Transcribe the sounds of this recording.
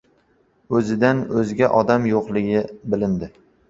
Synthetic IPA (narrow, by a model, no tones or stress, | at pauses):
ɵzɪd̪anɵzɡʲaʔɒd̪amjoqlˠɪɡʲɪbɪlɪnd̪ɪ